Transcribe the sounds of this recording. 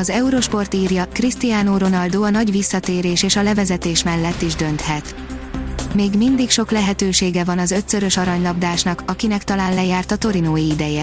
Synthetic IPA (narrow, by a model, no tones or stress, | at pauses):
ɒzɛuɾo̞ʃpo̞rt̪iːrjɒkrist̪ijaːnoɾo̞nɒld̪oːɒnɒɟʋisːɒt̪eːɾeːʃeːʃɒlɛvɛzɛt̪eːʃmɛlːɛt̪ːiʒd̪ø̞nt̪hɛt̪ | meːɡmind̪ikʃo̞klɛɦɛt̪øːʃeːɡɛvɒnɒzø̞t̪sø̞ɾø̞ʃɒɾɒɲlɒbd̪aːʃnɒkɒkinɛkt̪ɒlaːnlɛjaːrt̪ɒt̪o̞ɾinoːjiid̪ɛjɛ